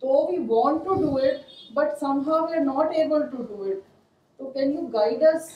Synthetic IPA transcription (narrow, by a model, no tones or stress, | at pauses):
t̪obʱibɔːnʈuɖuɪʈ̚bɐʈsɐ̃mɦaʊʋiɾnɔːʈeːbəlʈuɖuːɪʈ̚ | t̪okɛ̃njuːɡaɪɖəs